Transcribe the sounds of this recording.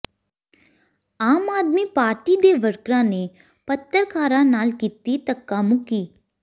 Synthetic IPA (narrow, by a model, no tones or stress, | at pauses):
aːmaːd̪miːpaːɾʈiːd̪eːʋəɾkɾãːneː | pət̪ːəɾkʰaːɾãːnaːlkiːt̪iːt̪əkːaːmʊkiː